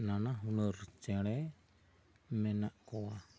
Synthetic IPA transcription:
nanaɦunɔɾt͡ʃɛɽɛ | mɛnaʔkɔwa

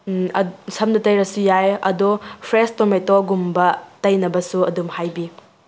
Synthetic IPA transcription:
sɐmnɐtɐjɾɐsujajɐ̰dɔpʰɾestometoɡumbɐtɐjnɐbɐsuɐdumhajbi

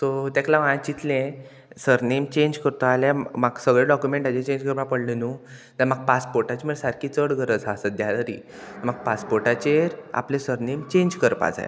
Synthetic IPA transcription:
t̪ot̪ɛklaʋãt͡ɕit̪lẽ | səɾnemt͡ɕeɲd͡ʑkəɾt̪oaljamaɡsəɡɭeɖɔkjumeɳʈad͡ʑẽt͡ɕẽɲd͡ʑkəɾpapəɽlenu | t̪aɾmaɡ̚paspoɾʈat͡ɕiməɭsaɾkʰiːt͡səɽɡʱəɾəd͡zasəd̪jaləɾḭ | t̪əmaɡ̚paspoɾʈat͡ɕeɾa̰plẽsəɾnemt͡ɕẽɲd͡ʑkəɾpa̰d͡za̰j̰

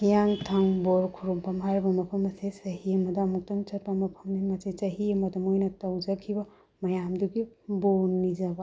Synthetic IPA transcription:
hijaŋtʰɐŋboɾkʰuɾumpɐmɦaɾbɐmɐpʰɐmɐsesɐɦiɐmɐdɐːmuk̚tɐŋt͡ʃɐt̚pɐmɐpʰɐmnimɐsesɐɦiɐmɐdɐmojnɐtɐwd͡ʒɐkʰːibɐ | mɐjamduɡibonːizɐbɐ

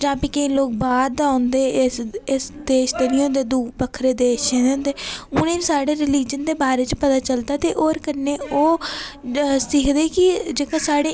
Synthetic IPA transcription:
d͡ʒãːpiːkəĩːloːk̚baːɾd̪ãːʊnd̪eːsɪsd̪eːʃd̪eːnĩːɦõːnd̪eːd̪uːbəkʰːɾeːd̪eːʃẽːneʊ̃ːnd̪eːʊnẽːsaːɽeːɾɪliːd͡ʒənd̪eːbaːɾeːt͡ʃpət̪aːt͡ʃəld̪aːt̪eːʔoːɾkəneːoː | siːkʰd̪eːkɪd͡ʒeːkaːsaːɽeː

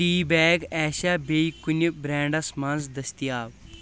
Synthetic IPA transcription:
iːbɛːɡɛːʃaːbejkunʲbɾɛːɳɖɐsmɐnzd̪ɐst̪ijaːʋ

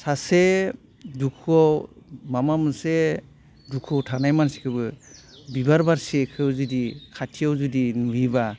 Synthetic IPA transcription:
sase | dukʰuawmamamɯse | dukʰuawtʰanajmansi̥kʰɯbɯ | bibaɾbaɾsekʰɯwzɯdikʰatʰiawzudinubiba

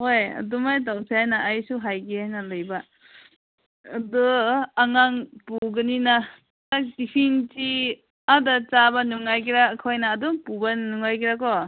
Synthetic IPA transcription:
hojɐ̰dumajtawsajnaʔːjsuɦajɡiajnɐlɐjba | dɔaŋaŋpuɡɐninɐ | akdipʰinti | adat͡ʃabɐnuŋajkiɾakʰojnaːduŋpubɐnuŋajkiɾakɔ

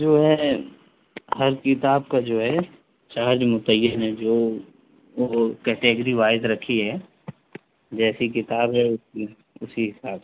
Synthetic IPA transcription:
d͡ʒoːɦɛ | hɐɾkɪt̪aːb̚kad͡ʒoːɦɛ | t͡ʃaːɾd͡ʒmʊt̪əjːəned͡ʒoː | oːkɛːʈeːɡəɾiʋaːɪd̪ɾɐkʰiɦɛ | d͡ʒɛːsikɪt̪aːbɦɛʊs | ʊsiɦɪsaːb

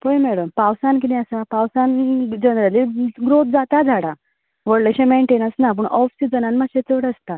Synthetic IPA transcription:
pojmɛɽəmpawsank̬inĩəsapawsand͡ʑənɾəliɡɾot̪̚d͡zat̪ad͡zʱaɽa | ʋəɽləɕemeɳʈenət͡snap̬əɳʔɔfsid͡zənanmaɕet͡səɽəst̪a

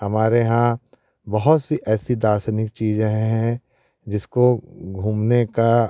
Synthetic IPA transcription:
hɐmaːɾeɦã | bɐɦʊt̪siʔɛːsid̪aːsənɪk̚t͡ʃiːzẽɦɛ̃ | d͡ʒɪskoɡʱũːmneka

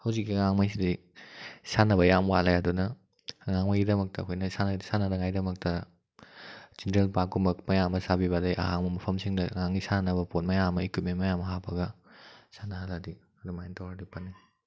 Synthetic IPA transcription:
hɐwzikːiŋaŋmajsidij | sanɐbɐjamwalajɐdunɐ | ŋaŋmajɡidɐmɐk̚tɐːkʰojnɐsanɐsanɐdɐŋajdɐmɐk̚tɐ | z̥entɾelpakɡumɐk̚mɐjamɐsabiβadajʔɐ̰ɦaŋmɐmɐpʰɐmsiŋdɐŋaŋisannɐbɐpot̚mɐjamɐikut̚menmɐjamɐɦabɐɡɐsanɐɦaladi | ɐdumajentʰawɾadipɐnːi

